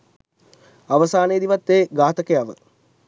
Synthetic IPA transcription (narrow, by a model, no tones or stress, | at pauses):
aʋəsaːnejəd̪iʋat̪ːeːɡaːt̪əkəjaʋə̰